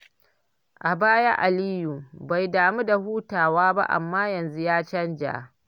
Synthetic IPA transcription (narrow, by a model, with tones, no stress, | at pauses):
ʔa˨baː˦ja˦ʔa˨liː˦ju˨ba˨jdaː˨mu˦da˨huː˦taː˨waː˦ba̰˦ʔa̰˨mːaː˦jɐ˨nzu˦jaː˦t͡ʃɐ˦nd͡ʒa̰ː˨